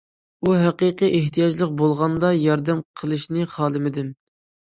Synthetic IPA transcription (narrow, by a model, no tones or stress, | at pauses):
uɦæqəqiʔeht̪ʰijɑd͡ʒlˠəq̚bolˠʁɑnd̪ɑjɑɾd̪ɛmqʰəlˠɨʃnɨχɑːlˠɨmɪd̪ɪm